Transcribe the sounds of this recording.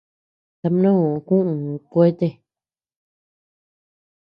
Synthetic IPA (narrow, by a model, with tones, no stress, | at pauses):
t̪a˧m˧˦nõ˦ũ˨˧kũ˦ʔũ˨˧kʷe˦t̪e˦